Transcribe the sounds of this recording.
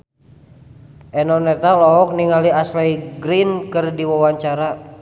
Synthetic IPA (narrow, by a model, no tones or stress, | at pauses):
ʔɛnɔnɛt̪alɔɦɔk̚niŋaliaslajɡɾinkɨrdiwawaɲt͡ʃaɾa